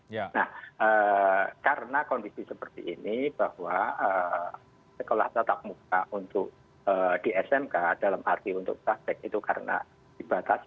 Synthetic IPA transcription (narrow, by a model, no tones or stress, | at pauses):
nahʔəːkaɾənakɔndisisəpərt̪ḭʔinib̥ahwaə | səkola̰ht̪ət̪ak̚muk̚aʔunt̪ʊk̚ | əːd̥iɛsɛmkad̥alamʔart̪iunt̪ʊ̰k̚bɾatɛk̚it̪ukaɾə̰na̰ | d̥ib̥at̪as